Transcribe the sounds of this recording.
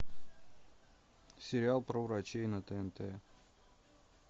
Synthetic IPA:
sʲɪɾʲɪalˠpɾəvɾɐt͡ɕejnət̪əɛnt̪ɛ

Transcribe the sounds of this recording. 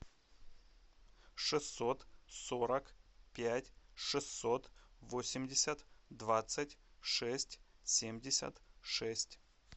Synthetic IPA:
ʂɨsːo̞t̪soɾəkpʲætʲʂɨsːot̪vosʲɪmʲdʲɪsʲət̪d̪vat̪sɨtʲʂɛsʲtʲsʲemdʲɪsʲə̰t̪ʂɛsʲtʲ

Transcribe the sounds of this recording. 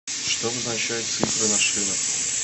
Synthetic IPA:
ʂt̪obznat͡ɕæjʊt̪t̪sɨfɾɨnaʂɨlˠə

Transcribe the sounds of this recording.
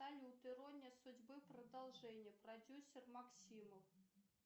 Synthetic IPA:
alʲɪʊt̪ɨɾonʲɪəsʊdʲbɨprəd̪ɐlˠʐɛnʲɪjəprɐdʲusʲːɪrmɐksʲiməf

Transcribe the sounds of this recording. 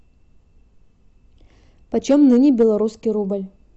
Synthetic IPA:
pɐt͡ɕomnɨnʲɪbʲɪlˠɐɾuskʲijɾubəlʲ

